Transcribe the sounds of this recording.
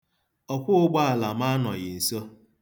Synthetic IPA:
ɔ˨kʷʊ˦ʊ˦ɡ͡ba˦a˨la˨ma˦nɔ˨ɣɪ˨n̩˨so˦

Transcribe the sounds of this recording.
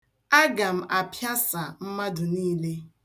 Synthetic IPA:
a˦ɡa˨m̩˨ʔa˨pja˦sa˨m̩˦ma˦dʊ˨niː˦le˦

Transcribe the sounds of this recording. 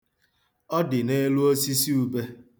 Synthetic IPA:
ɔ˦dɪ˨ne˦lu˦o˦si˦si˦u˨be˦

